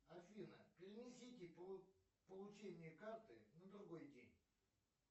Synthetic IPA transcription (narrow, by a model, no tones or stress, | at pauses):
ɐfʲinə̰pʲɪɾʲɪnʲɪsʲitʲɪ | pəlˠʊt͡ɕenʲɪjəkart̪ɨ̰nəd̪ɾʊɡojdʲenʲ